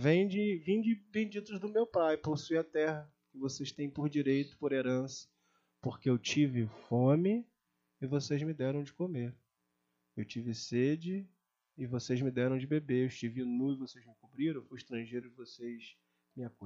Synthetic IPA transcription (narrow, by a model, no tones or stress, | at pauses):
vẽj̃d͡ʒɪvĩd͡ʒɪbẽd͡ʒit̪ʊzd̪ʊmewpajposuiɐt̪ɛhɐ | kɪvosejʃt̪ẽj̃poɾd͡ʒiɾejt̪ʊ̥poɾeɾɐ̃sɐ̥ | poχkeewt͡ʃivɪfõmɪː | vosejzmɪd̪ɛɾɐ̃w̃d͡ʒɪkomeɾ | ewt͡ʃivɪsed͡ʒɪː | vosejzmɪd̪ɛɾɐ̃w̃d͡ʒɪbebeewʃt͡ʃivɪinuɪvosezmɪkubɾiɾ̃ewfujiʃt̪ɾɐ̃ʒejɾʊɪvoses | mɪaku